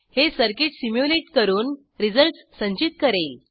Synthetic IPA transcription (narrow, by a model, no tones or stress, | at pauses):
hesəɾkiʈsimjuleʈkəɾuːn | ɾid͡zəlʈssəɲt͡ɕit̪̚kəɾel